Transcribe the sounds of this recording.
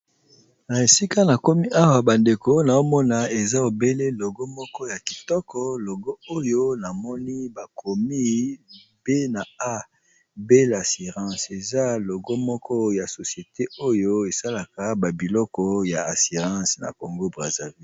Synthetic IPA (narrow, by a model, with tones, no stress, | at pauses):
na˨e˨si˦ka˦na˨ko˦mi˦ʔa˦wa˨ba˨nde˨ko˦na˨o˦mɔ˦na˨e˨za˦o˨be˦le˦lo˨ɡo˦mɔ˦kɔ˦ja˨ki˨tɔ˦kɔ˦lo˨ɡo˦o˦jo˦na˨mɔ˦ni˦ba˨kʰo˨mi˦ | b̥e˦na˨a˦ | be˦la˨si˨ʁɑ̃˦se˨za˦lo˨ɡɔ˦mɔ˦kʰɔ˦ja˨so˨sje˨te˦o˦jo˦e˨sa˦la˨ka˨ba˨bi˨lɔ˦kɔ˦ja˨a˨si˨ʁɑ̃˦sna̰˨ko˨ŋɡo˦bʁa˨za˨vi˦